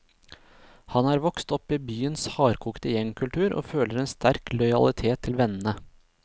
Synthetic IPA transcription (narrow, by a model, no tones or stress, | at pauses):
hɑnæːɾʋɔkst̪ɔpiːbyːənshɑːɾkʰuːkt̪əjɛŋkʰʉlt̪ʰʉːɾʔo̰ːføːləɾeːnst̪æɾklɔʏɑ̰lɪt̪ʰeːt̪ʰːɪlʋɛnn̩ə